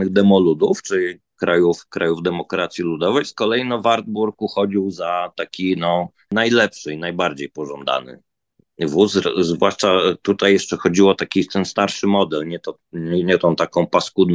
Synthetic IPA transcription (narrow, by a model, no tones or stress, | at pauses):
nɨɣd̪ɛmɔlud̪uft͡ʂɘi | kɾajufkɾʔajuvd̪ɛmɔkɾat̪sʲjilud̪ɔvɛjskɔlɛjinɔvaɾd̪̚buɾkuxɔd͡ʑiwzat̪akʲinɔ | najlɛpʂɘinajbaɾd͡ʑejpɔʐɔnd̪a̰nɘ̰ | vuszvwaʂt͡ʂat̪ut̪ajːɛʂt͡ʂɛxɔd͡ʑiwɔt̪akʲit̪ɛnst̪aɾʂɘmɔd̪ɛlɲɛt̪ɔ | ɛɲɛt̪ɔ̃w̃t̪akɔ̃w̃paskud̪